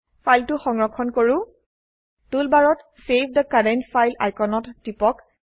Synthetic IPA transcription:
fʰajltʊxɔŋɹɔkʰɔnkoɹʊ̃ | tulbaɹɔt | sevʰʱdəkadɛntfʰajla̰jkɔnɔtːipɔk

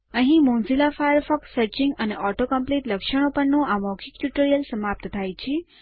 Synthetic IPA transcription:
ə̃ɦĩmõnzilafajəɾfɔksəɾt͡ʃiŋɡəneʔɔʈokəmpliʈləkʃəɽ̃opəɳnũamɔkʰik̚ʈuʈəɾijəlsəmap̚t̪t̪ʰajt͡ʃʰi

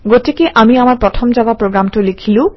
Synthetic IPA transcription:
ɡot̪ʰekeʔamiamaɾpɾot̪ʰomd͡ʑabapɾoɡɾamʈolikʰilu

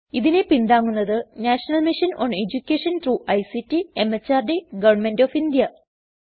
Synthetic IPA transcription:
iðine̞pind̪aːŋːunːɐðɨnaːʂɐnɐlmiʂɐno̰ːned͡ʑukʲːeːʂɐnt̪ɾuːʔɐjsitːiemːɐt͡ɕːaːrdeɡɐʋɐrɳmendofind̪jɐ

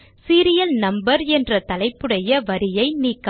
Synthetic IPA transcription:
siːɾɪjɐlnɐmbɐɾɛndrɐt̪ɐlɐɪpːɯɽɐjɐʋɐɾɪjɐɪniːkː

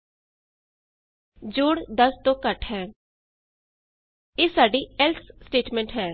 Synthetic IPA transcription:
d͡ʒoːɽd̪əst̪õːkəʈʰɦɛː | eːsaːɖiːɛlssʈeːʈmɛ̃ɳʈɦɛː

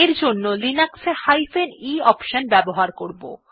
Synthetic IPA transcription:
eɾd͡ʑonːolinaksehajfeniɔpʃanbɛboɦaɾkoɾbo̰

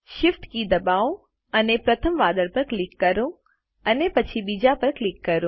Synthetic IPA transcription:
ʃɪfʈkid̪ɐbaːo | ɐnepɾɐt̪ʰəmʋaːd̪əɽpɐɾklɪkːɐɾõ | ɐnepɐt͡ɕʰiɓiːd͡ʑapɐɾklɪkːɐɾõ

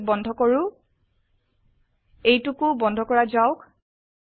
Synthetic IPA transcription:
bɔndʱɔkoɹʊ̃ | ejtukʊbɔndʱɔkɔɹazaʊk

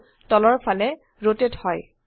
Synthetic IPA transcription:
tɔlɔɹpʰalɛ | ɹotethɔj

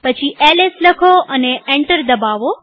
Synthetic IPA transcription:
pət͡ʃʰiʔeːlɪsləkʰoʔɐneẽɳʈəɾd̪ɐbaːʋo

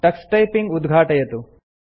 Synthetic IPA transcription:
ʈɐksʈɐjpiŋɡud̪ɡʱaːʈɐjɐt̪u

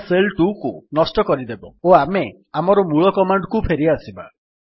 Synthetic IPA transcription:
selʈukunɔsʈɔkɔɾid̪ebɔoame | amɔɾɔmuɭɔkɔmaɳɖkupʰeɾiasiba

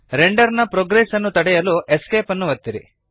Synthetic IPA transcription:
ɾeɳɖɐɾnɐpɾoɡɾesɐnːut̪ɐɽɛjɐluʔeskeːpɐnːuʋɐt̪ːiɾḭ

